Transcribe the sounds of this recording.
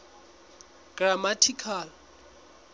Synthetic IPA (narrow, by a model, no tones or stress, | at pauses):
ɡ̥ramatʰikʰal